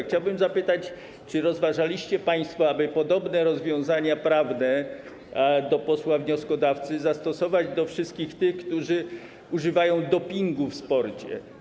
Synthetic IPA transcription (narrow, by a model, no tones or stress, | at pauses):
xt͡ɕawbɘmzapɘt̪at͡ɕ | t͡ʂɘɾɔzvaʐalʲiɕt͡ɕɛpaj̃st̪fɔabɘpɔd̪ɔbnɛɾɔzvʲjɔ̃w̃zaɲapɾavnɛ | d̪ɔpɔswavɲɔskɔd̪aft̪sɘzast̪ɔsɔvad͡ʑd̪ɔfʂɘst̪̚kʲixt̪ɘxkt̪uʐɘ | uʐɘvajɔ̃w̃d̪ɔpʲiŋɡufspɔɾt͡ɕɛ̰